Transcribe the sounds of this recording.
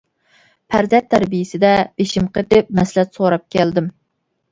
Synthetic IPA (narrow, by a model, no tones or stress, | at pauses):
pʰæɾzɛnt̪ʰːæɾbijɪsɪd̪ɛb̥eʃimqʰət̪ɪp̚mɛslɛt̪soɾɑp̚kʲɛld̪ɪm